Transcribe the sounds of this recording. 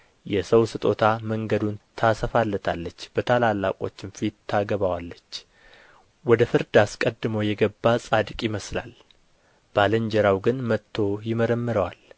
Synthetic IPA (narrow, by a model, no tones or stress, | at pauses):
jɛsəwsɨt̪ʼo̞t̪ʰaməŋɡəd̪unt̪ʰasəfalːət̪ʰa̰lːət͡ʃːb̥ət̪ʰalalːa̰kʼo̞̰t͡ʃːɪnfit̪ʰːaɡəβawalːət͡ʃː | wɔd̪əfɨɾd̪askʼəd̪ːɨmowjɛɡəbːasʼad̪kʼjɪməsla̰l | b̥aləɲd͡ʒɛɾawɡɨnmət̪ʰːo̞jɪməɾəmːɨɾəwal